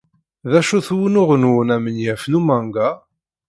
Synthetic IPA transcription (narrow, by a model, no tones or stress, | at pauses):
ðæʃuθwənʊʁənunæmənjæfnumæŋɡa